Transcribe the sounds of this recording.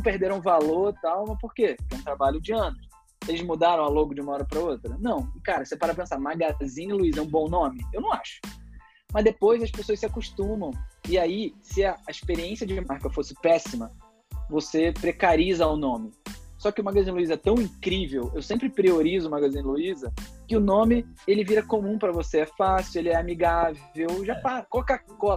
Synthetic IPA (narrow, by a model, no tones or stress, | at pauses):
ɐ̃w̃pehd̪eɾ̃ũvaloɾt̪awmɐpoɾkeɛũt̪ɾabaʎʊd͡ʒɪɐ̃nʊs | elɪzmud̪aɾɐ̃w̃aloɡʊd͡ʒiũmɐɔɾɐpɾɐot̪ɾɐnɐ̃w̃ɪkaɾɐsepaɾɐpẽsamaɡazĩnluizɛũbõw̃nõmɪewnɐ̃w̃aʃʊ̥ | mɐzd̪epojzɐspesoɐsɪakuʃt̪ũmɐ̃w̃ɪaisɪɐːɪʃpeɾiẽsiɐd͡ʒmaɾkɐfosɪpɛsimɐ | vosepɾekaɾizɐʊnõmɪsɔkɪʊmaɡazĩnluizɐɛt̪ɐ̃w̃ĩkɾivewewsẽmpɾɪpɾioɾizʊːmaɡazĩnluizɐkɪʊnõmɪelɪviɾɐkomũpɾɐvoseɛfasjʊelɪɛamiɡavewʒapakalkakɔ